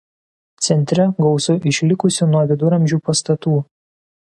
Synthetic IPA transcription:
t̪sʲɛnʲt̪ʲɾʲɛɡɒʊsʊʔɪʃʲlʲɪkʊsʲɪnuɔʋʲɪd̪ʊɾɐmʲʒʲuːpɐst̪ɐt̪uː

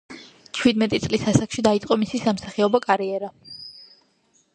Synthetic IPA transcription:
t͡ʃʰwid̪mɛt̪ʼit̪sʼlisasakʃid̪ait̪sʼqʼɔmisisamsaχiɔbakʼaɾiɛɾa

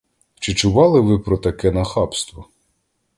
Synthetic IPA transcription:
t͡ʃɪt͡ʃʊʋɑlˠɪʋɪpɾɔt̪ɐkɛnɐxɑpst̪ʋɔ

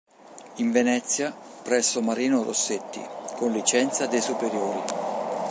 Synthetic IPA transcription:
iɱvenɛt̪sːja | pɾɛsːʊmaɾiːnʊro̰sːet̪ːḭkʊnlit͡ʃɛnt̪sad̪ejsupeɾjoːɾi

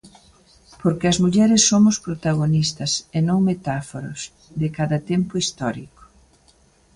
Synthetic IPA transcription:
poɾkɪɐzmuʎɛɾɪsːomʊspɾot̪aɣonist̪ɐsenõŋmet̪afoɾo̰s | ðɪkaðɐt̪empʊist̪ɔɾiko̥

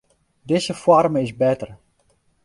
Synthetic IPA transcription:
dɪzəfwɔrmɪsbɛtər

